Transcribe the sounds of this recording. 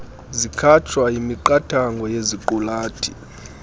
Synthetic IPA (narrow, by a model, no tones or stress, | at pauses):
zikʰat͡ʃʰwaimiǃatʰaŋɡʱɔjeziǃulaːtʰi